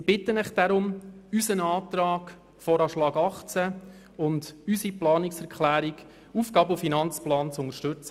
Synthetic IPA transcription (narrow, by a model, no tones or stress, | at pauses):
ɪbɪt̪ːənɛχd̥aɾʊmysənɑːt̪ɾɑːk | fɔːɾɑːʃlɑːɡɑχt͡sæ | ʊndysiplɑːnɪksɛɾkχlæːɾik | uːfɡɑːbʊfinɑnt͡splɑːnt͡sʊnəʃtɵt͡sə